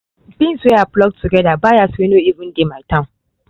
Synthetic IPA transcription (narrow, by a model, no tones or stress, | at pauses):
bɪsweaplɔk̚tʰːuɡɛdabaːjasenoːʔivɪ̃ndematã